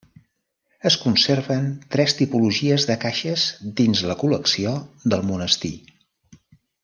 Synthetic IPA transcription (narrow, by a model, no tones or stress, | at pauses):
əskunserβənt̪ɾɛst̪ipuluʒiəzðəkaʃəzd̪inzləkuləksiod̪əlˠmunəst̪ḭ